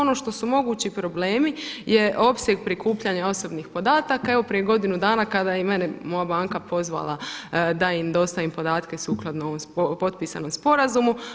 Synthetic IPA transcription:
ono̞ʃt̪o̞sumo̞ɡuːt͡ɕipɾo̞bleːmijeʔo̞psʲjeɡpɾikuːpʎaɲao̞so̞bnixpo̞d̪aːt̪akae̞ʋo̞pɾije̞ɡo̞d̪inud̪aːnakad̪ajeme̞nɛmo̞jabaːŋkapʰo̞zʋa̰lˠad̪aimd̪o̞st̪aʋimpo̞d̪aːt̪ke̞suːklˠad̪noo̞ʋomsopo̞t̪̚piːsa̰no̞mspo̞ɾazumu

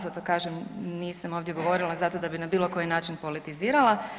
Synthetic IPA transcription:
zat̪okaːʒemniːsamo̞ːʋd̪je̞ɡo̞ʋo̞ɾilˠazat̪o̞d̪abinabiːlˠo̞ko̞jinaːt͡ʃinpo̞lit̪iziːɾalˠa

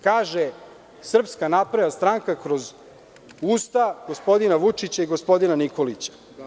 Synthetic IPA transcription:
kaːʒe | sr̩pskanapɾajast̪ɾaŋkakɾo̞z | uːst̪aɡ̥o̞spo̞d̪inaʋut͡ʂit͡ɕaiɡo̞spo̞d̪inanikolit͡ɕḁ

